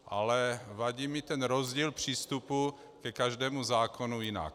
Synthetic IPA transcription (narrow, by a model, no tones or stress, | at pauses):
ʔalɛvaɟiːmit̪ɛnɾozɟiːlpr̝̥iːst̪upu | kɛkaʒd̪ɛːmuzaːkonujina̰k̚